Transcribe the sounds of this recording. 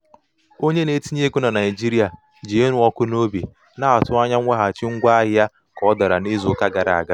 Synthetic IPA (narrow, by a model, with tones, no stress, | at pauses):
o˦ɲe˦ne˦ti˦ɲe˦ku˦na˨na˨ɪ˨d͡ʒi˦ɾi˦a˨ | d͡ʒi˨˦e˦nʊ˨ɔ˦kʊ˦no˦bi˨ | na˦a˨tʊ˦a˦ɲa˦ŋʷ˦a˦ɦa˨t͡ʃɪ˦ŋ̩˦ɡʷa˦ɦa˦ | kɔ˦da˨ɾa̰˨ni˦zʊ˦ka˦ɡa˨ɾa̰˨a˨ɡa˦